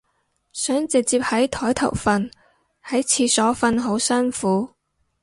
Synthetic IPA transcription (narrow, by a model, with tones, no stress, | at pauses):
sœː˨˥ŋt͡sɪ˨k̚t͡siː˧p̚hɐ˨˥jt̪ʰɔː˨˥jt̪ʰɐ˨˩wfɐ˧n | hɐ˨˥jt͡sʰiː˧sɔː˨˥fɐ˧nɦo˨˥wsɐ˥nfuː˨˥